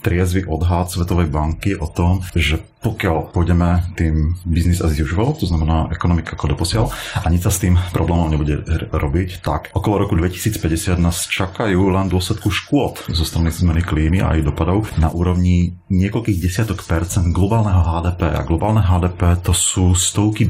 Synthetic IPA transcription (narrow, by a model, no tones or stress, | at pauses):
t̪ɾɪɛzʋiʔɔd̪ɦaːt̪sʋɛt̪ɔʋɛjbaŋkiʔɔt̪ɔmʒɛpɔkɪalpɔjɟɛmɛt̪iːmbiznizaiziuʒiʋalt̪ɔznamɛnaːʔɛkɔnɔmikaakɔd̪ɔpɔsɪalaɲit͡ssast̪iːmpɾɔblɛːmɔmɲɛbuɟɛɾɔbict̪akɔkɔlˠɔɾɔkud̪ʋɛci̥siːt͡spɛɟɛsɪad̪naːst͡ʃakajuːlɛnd̪ʊɔslɛt̪kuʃkʊɔt̪zɔst̪ɾanizmɛnikliːmia̰jd̪ɔpad̪ɔʊna̰ʔuːɾɔʊɲiɲɪɛkɔlkiːɣɟɛsɪat̪ɔkpɛɾt͡sɛnd̪ɡlɔbaːlnɛɦɔɦaːd̪ɛːpɛːʔa̰ɡlɔbaːlnɛɦaːd̪ɛːpɛːt̪ɔsuːst̪ɔʊki